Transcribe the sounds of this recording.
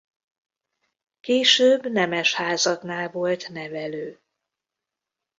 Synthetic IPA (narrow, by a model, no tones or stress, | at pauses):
keːʃøːbnɛmɛʃhaːzɒknaːlvo̞lt̪nɛvɛløː